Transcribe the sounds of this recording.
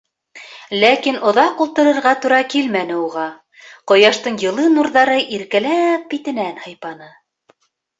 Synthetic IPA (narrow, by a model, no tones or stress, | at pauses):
lækinŏðɑqulˠt̪ɤ̆ɾɤ̆ɾʁɑt̪uɾɑkilmænɘ̆uʁɑ | qŏjɑʃt̪ɤɴjɤ̆lˠɤnuɾðɑɾɤʔiɾkælæp̚bit̪ɘ̆nænhɤ̆jpɑnɤ